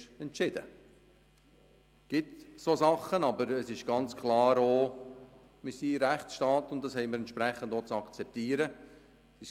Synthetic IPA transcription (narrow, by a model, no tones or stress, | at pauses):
ɛntt͡ʃɪd̥ə | ɡ̥ɪtsosɑχːənɑbəɾəsɪʃɡ̥ɑnt͡skʰlɑːɾoː | mɪsiɾæχtsʃtɑːtʊnt̚d̥ɑshɛɪməɾɛntt͡ʃʃpɾɛχːəndot͡sɑkt͡sɛp̚tiːɾə | i